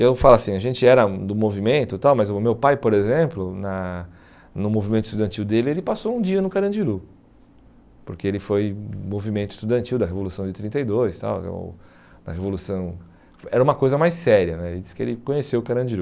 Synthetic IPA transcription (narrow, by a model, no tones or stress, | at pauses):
ewfalasĩɐʒẽnt͡ʃɪɛɾɐd̪ʊmovimẽnt̪ʊt̪awmɐzʊmewpajpoɾezẽplʊnɐ | nʊmovimẽnt̪ʊist̪ud̪ɐ̃nt͡ʃiwd̪elɪelɪpasoũd͡ʒiɐnʊkaɾɐ̃d͡ʒiɾu | poɾkeelɪfojmovimẽnt̪ʊist̪ud̪ɐ̃nt͡ʃiwd̪ɐɦevolusɐ̃w̃d͡ʒɪt̪ɾĩnt̪ejd̪ojst̪a̰wo̰ | d̪ɐ̰hevolusɐ̃w̃ | ɛɾɐũmɐkojzɐmajsɛɾiɐnɛelɪd͡ʒi̥sɪ̥kɪḛlɪkõɲesewʊkaɾɐ̃d͡ʒiɾu